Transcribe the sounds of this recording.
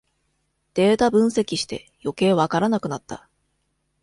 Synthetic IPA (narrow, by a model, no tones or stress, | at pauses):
d̪̥e̞ːt̪abɯ̟̃ɰ̃se̞kʲiɕi̥t̪e̞̰ | jo̞ke̞ːβakaɾanakɯ̟nat̪ːa̰